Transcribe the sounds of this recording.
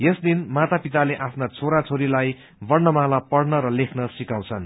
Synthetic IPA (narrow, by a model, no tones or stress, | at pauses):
jesd̪inmat̪apit̪aleʔapʰnat͡sʰoɾat͡sʰoɾilaj | bʌrnʌmalapʌɽnʌɾʌlekʰnʌsikaw̃t͡sʰʌn